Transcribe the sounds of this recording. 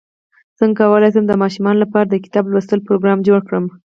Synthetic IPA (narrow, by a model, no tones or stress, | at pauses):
z̥əŋkawəlajs̬amd̪əmɑʃumɑnolapɑɾad̪əkɪ̥t̪ɑblwəst̪əlpɾoɡɾɑmd͡ʒoɽkɽəm